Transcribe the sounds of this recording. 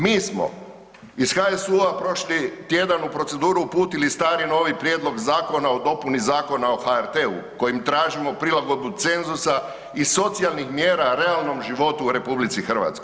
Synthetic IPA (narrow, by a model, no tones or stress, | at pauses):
miːsmo̞̰ | isxaesuapɾo̞ʃlit̪je̞d̪anupɾo̞t̪se̞d̪uːɾuupuːt̪ilist̪aːɾino̞ːʋipɾje̞d̪lo̞ɡzaːko̞nao̞d̪o̞punizaːko̞nao̞haeɾt̪e̞ṵko̞jimt̪ɾaːʒimo̞pɾilaɡo̞d̪̚but̪se̞nzusa | iso̞t̪sialˠnixmje̞ːɾaɾe̞alˠno̞mʒiʋo̞t̪uːɾe̞publitsixr̩ʋa̰t̪skoj